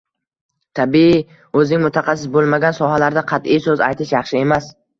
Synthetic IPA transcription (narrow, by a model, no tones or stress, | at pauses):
t̪ʰabi | ɵznɪŋmʊt̪ʰaχɑsːɪsbolˠmaɡʲansɒɦalaɾd̪aqʰɑt̪ijsɵza̰jt̪ʰɪʃjɑχʃɪe̞mas